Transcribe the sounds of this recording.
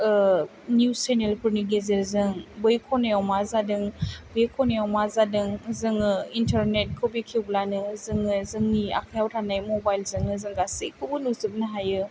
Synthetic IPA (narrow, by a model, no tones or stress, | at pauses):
njusenelpʰuɾniɡezeɾzɯŋbɯjkʰɔnejawmazadɯŋbekʰɔnejawmazadɯŋzɯŋɯintʰaɾnet̚kʰobikʰiwblanɯzɯŋɯzɯŋnia̰kʰjawtʰanajmɔbajlzɯŋnɯzɯŋɡasɯjkʰɯbɯnusɯp̚naɦajɯ